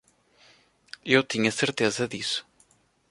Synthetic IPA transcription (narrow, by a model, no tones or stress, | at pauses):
ewt̪iɲɐseɾt̪ezɐðisʊ̥